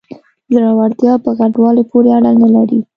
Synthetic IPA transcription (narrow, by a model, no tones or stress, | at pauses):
zɾɑwaɾt̪jɑpəɣaɖwɑlepʰoɾeaɽanalaɾi